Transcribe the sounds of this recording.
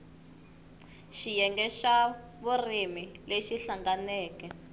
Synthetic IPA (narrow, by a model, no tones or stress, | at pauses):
ʃijɛŋɡɛʃa | βurimileʃiɬaŋɡanɛːkɛ